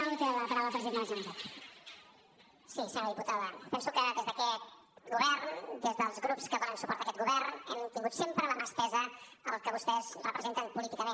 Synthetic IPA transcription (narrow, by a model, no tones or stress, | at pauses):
aɣut̪eðəlpəɾawəpɾəziɾãəzunt̪at̪ | sisəəðiput̪aðəpɛnsukəðezðəkɛt̪̚ | ɡuβɛɾnd̪ezðəlˠzɣɾupskəβɔlənsu̥pɔɾt̪əkɛt̪ɡuβɛɾnɛmt̪iŋɡut̪sempɾələmaspɛzəː | lˠkəβust̪ɛzrəpɾəzent̪əmpulit̪ikəmẽn